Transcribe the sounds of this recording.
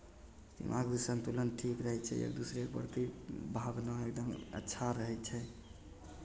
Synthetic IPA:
sḭmã̰ɡd̪usənt̪ulənʈʰikɾəɦɛt͡ʃʰɛ̰ḛk̚d̪usɾepə̰ɾt̪ibʱabnãek̚d̪əmə̰tːʃʰaɾəɦɛt͡ʃʰɛ

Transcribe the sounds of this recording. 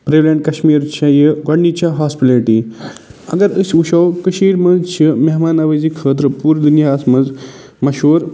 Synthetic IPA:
pɾeːʋleɳʈkɐɕmiːɾt͡ɕʰajɐɡɐɽnit͡ɕaɦaːspileɾʈi | ɐ̰ɡɐɾəsuʃɐwkəʃiːɾmɐzt͡ɕʰimeɦmaːnɐʋɐzikʰət̪̬ɾəpuːɾd̪unjasmɐd͡z | mɐʃoːɾ

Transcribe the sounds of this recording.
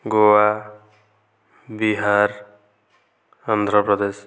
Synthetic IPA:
ɡowa | biɦaɾ | and̪ʱɾʌpɾɔd̪es

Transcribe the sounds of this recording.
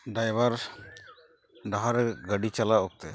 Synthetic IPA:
ɖajbaɾ | ɖaɦaɾɛɡəɖit͡ʃalaɔk̚t̪ɛ

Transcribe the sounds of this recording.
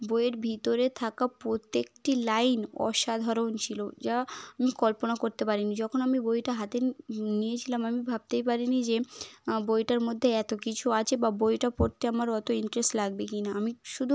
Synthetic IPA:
bojeɾbʱit̪oɾet̪ʰakapɾot̪ːekʈilajnɔ̰ʃad̪ʱaɾont͡ɕʰilod͡ʑaamikɔlponakoɾt̪epaɾinid͡ʑɔkʰonamibojʈaɦat̪enijet͡ɕʰilamamibʱab̚t̪ejpaɾinid͡ʑebojʈaɾmod̪ʱːeɛt̪okit͡ɕʰuat͡ɕʰebabojʈapoɾt̪ʰeamaɾɔt̪oiɳʈɾesʈlaɡ̚bekinaamiʃud̪ʱu

